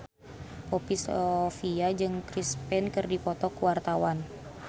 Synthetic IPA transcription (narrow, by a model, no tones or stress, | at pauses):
pɔpisɔfiad͡ʒɨŋkɾispɛnkɨrdipɔt̪ɔkuwart̪awan